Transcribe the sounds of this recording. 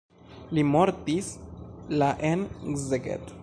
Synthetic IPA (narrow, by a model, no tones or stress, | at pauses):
limoɾt̪islaʔenɡzeɡḛt̪